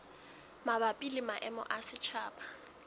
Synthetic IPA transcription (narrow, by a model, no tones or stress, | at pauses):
mabapʼilɪmaʔɛmʊ̰ʔasɪt͡ʃʰaːpʼḁ